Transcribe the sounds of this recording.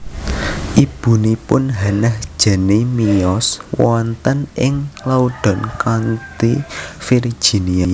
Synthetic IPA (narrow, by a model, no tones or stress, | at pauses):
ʔib̥ṳnipʊnɦanahd̥ʒ̥a̤nemiɔswɔnt̪ənɪŋlauɖ̥ɔ̤nkant̪ifir̥ʒ̥i̤nia